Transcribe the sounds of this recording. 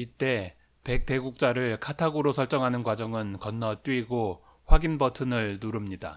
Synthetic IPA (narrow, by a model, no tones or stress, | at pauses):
it͈e̞ | pe̞k̚t͈e̞ɡuk̚t͡ɕ͈aɾɯɭkʰatʰaɡɯɾosʰʌɭt͡ɕ͈ʌŋɦanɯnkwad͡ʑʌŋɯnkʌnːʌt͈wɥiɡo | ɸwaɡinbʌtʰɯnɯɭnuɾɯmɲida̰